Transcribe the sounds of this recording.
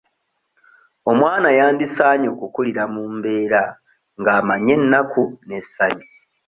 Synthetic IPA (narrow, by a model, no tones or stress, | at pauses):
o̞mwaːnajaːndisaːɲo̞kukuliɾamuːmbe̞ːɾa | ŋɡaːmaɲe̞nːakʰune̞sːaɲi